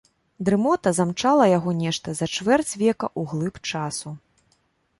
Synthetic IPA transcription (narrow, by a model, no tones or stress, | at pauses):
d̪ɾɨmɔt̪ɐzamt͡ʂalˠɐjaɣɔnʲɛʂt̪ɐzɐt͡ʂvɛrt͡sʲvʲɛkɐ̰ʔuɣlˠɨpt͡ʂasu